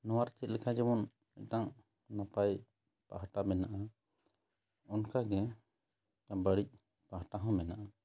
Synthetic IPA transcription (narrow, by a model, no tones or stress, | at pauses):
nɔwaɾt͡ʃɛt̪̚lɛkʰad͡ʒɛbɔn | ɛʔ̚ʈaŋ | napaj | pa̰ɦʈamɛnaʔa | ɔnkaɡɛ | bəɽic̚ | paɦaʈaɦɔ̃mɛnaʔa